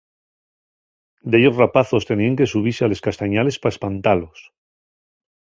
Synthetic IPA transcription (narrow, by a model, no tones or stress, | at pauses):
d̪eʝo̞srapaθo̞st̪e̞niaŋke̞suβ̞iseale̞skast̪aɲale̞spaespant̪alo̞s